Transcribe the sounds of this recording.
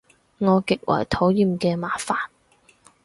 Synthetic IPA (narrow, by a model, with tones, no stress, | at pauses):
ŋɔː˨˧kɪ˨k̚wʔɐ̰˨˩jt̪ʰo˨˥wjiː˨˧mkɛː˧maː˨˥faː˨n